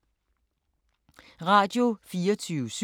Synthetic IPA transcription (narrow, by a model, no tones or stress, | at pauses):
ʁɑ̈ːd̥jo̝fiːɒt͡sʰyːʊəs